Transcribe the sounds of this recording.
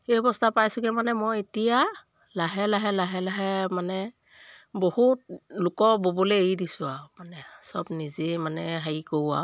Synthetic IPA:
ebɔstapajsuɡɛmanɛmɔjitija | laɦɛlaɦɛlaɦɛlaɦɛmanɛ | bohut̚lʊkɔbobɔlɛejidisʊamanɛsɔbnizɛmanɛɦaikowa̰

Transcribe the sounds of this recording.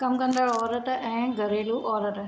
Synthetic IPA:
kɐmkə̃nd̪aːɽɔːɾəʈɛ̃ːɡʱəɾeːluːʔɔːɾəʈ

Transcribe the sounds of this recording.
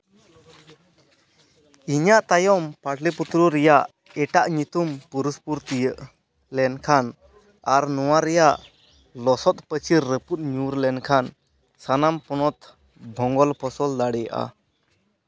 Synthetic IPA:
iɲaʔt̪ajɔmpaʈʰliput̪ɾuɾɛjaʔ | ɛʈaʔɲut̪umpuɾuspuɾt̪ijəʔ | lɛnkʰan | aɾnɔwaɾɛjaʔ | lɔsɔt̪̚pət͡ʃiɾːəput̪̚ˀɲuɾlɛnkʰan | sanampɔnɔt̪ | bʱɔ̃ŋɡɔlpʰɔsɔld̪aɽɛjaʔa̰

